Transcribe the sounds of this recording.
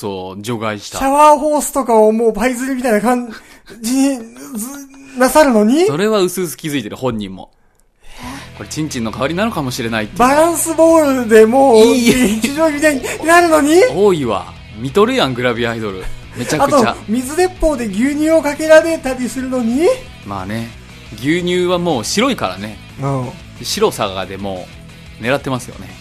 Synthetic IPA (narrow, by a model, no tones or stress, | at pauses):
so̰ːd͡ʑo̞ɡaiɕi̥t̪ɕaaβaːɸo̞ːsɨ̥t̪o̞kao̞mo̞ːbaizɨɾɯmʲit̪aijnakãɲd͡ʑiɲ̟i | nasaɾɯ̟no̞ɲ̟iso̞ɾe̞βaɯ̟sɨːsɨ̥kʲizɨit̪eɾɯ̟hõ̞ɲ̟ːḭ̃mːo̰ | ko̞ɾet͡ɕĩɲ̟t͡ɕĩnːo̞kaβaɾʲinanokamo̞ɕiɾe̞nait̪ːbaɾãɰ̃sɨbo̞ːɾɯ̟d̪e̞mo̞ːit͡ɕiʑo̞ːimʲit̪aɲ̟iɲnaɾɯ̟no̞ɲ̟ioːiβa̰ | mʲit̪o̞ɾɯ̟jãŋɡɯ̟ɾabʲiaid̪o̞ɾɯ̟ | me̞t͡ɕakatɯoa̰mʲizɨd̪e̞pːo̞ːd̪e̞ɡʲɨːɲ̟ɨːokake̞ɾaɾe̞t̪aɾʲisɨɾɯ̟no̞ɲ̟i | ma̰ːne̞ | ɡʲɨːɲ̟ɨːβamo̞ːɕiɾo̞ikaɾa̰ne̞ | ɯ̃ː | ɕiɾo̞saɡaɡa̰d̪e̞mo̞̰ː | ne̞ɾat̪ːe̞masɨjo̞̰ne̞̰